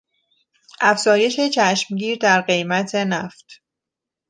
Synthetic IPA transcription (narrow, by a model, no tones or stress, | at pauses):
ʔæfz̥ɒːje̞ʃe̞t͡ʃʰæʃmɟiːɾd̪æɾɢe̞jmæt̪ʰe̞næft̪